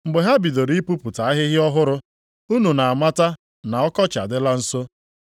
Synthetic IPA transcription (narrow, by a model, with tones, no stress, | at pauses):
ŋ͡m̩˨ɡ͡be˨ɦa˦bi˨do˨ɾi˦i˦pu˦pʊ˨ta˨a˦ɦɪ˦ɦɪ˦ɔ˦ɦʊ˦ɾʊ˦ | u˦nu˨na˨a˨ma˦ta˦ | na˨ɔ˦kɔ˦t͡ʃa̰˨dɪ˦la˦n̩˦so˦